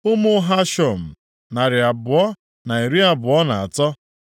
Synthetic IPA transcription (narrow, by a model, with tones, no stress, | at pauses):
ʊ˦mʊ˦ɦa˦ʃɔ˨m̩˨ | na˨ɾɪ˨a˨bʊ˨ɔ˦ | na˨i˨ɾi˦a˨bʊ˨ɔ˦na˨a̰˨tɔ˦